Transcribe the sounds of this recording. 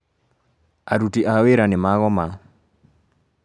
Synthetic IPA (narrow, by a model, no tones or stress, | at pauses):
aɾutiʔaweɾanɪmaɣɔma